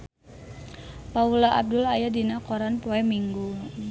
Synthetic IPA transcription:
paulaʔa̰b̚dʊlajadinakɔɾanpoɛmiŋɡu

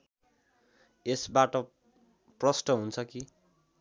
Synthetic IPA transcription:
esbaʈʌ | prʌsʈʌɦunt͡sʰʌki

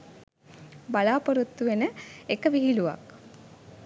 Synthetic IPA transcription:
balaːpoɾut̪ːuʋenəekəʋiɦiluʋa̰k

